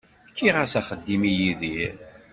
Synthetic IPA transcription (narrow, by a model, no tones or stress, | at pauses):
kːiʁəsæχəd̪ːimijiðiɾ